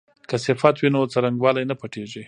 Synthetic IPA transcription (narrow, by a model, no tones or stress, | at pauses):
kasɪfat̪winot͡saɾaŋɡwɑlajnapaʈeʒi